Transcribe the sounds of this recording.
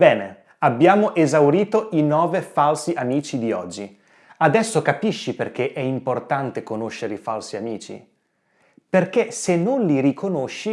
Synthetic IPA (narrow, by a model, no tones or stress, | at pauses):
bɛːne | abːjaːmoʔezawɾiːt̪oʔinɔːvefalsiʔamiːt͡ʃid̪iɔd͡ʒːi | ad̪ɛsːokapiʃːiperk̟eʔɛimport̪ant̪ekonoʃːeɾeifalsiamiːt͡ʃḭ | perk̟esenːonliɾikʰonoʃːi